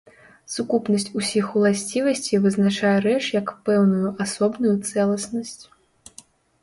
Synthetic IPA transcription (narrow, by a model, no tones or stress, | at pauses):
sukupnɐsʲt͡sʲusʲixulˠasʲt͡sʲivɐsʲt͡sʲivɨznat͡ʂajɛɾɛt͡ʂjɐkpɛwnujuʔasɔbnujut̪sɛlˠɐsnɐsʲt͡sʲ